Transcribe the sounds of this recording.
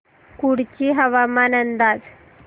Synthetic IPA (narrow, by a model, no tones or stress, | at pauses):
kuɽt͡ɕiːɦəʋamanənd̪ad͡z